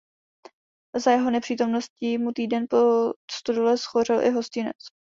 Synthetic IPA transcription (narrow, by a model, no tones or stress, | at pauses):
zajɛɦo̞nɛpr̥iːt̪o̞mno̞scimut̪iːdɛnpost̪udolɛsxor̝ɪlʔɪ̰ɦo̞scɪnɛ̰t͡s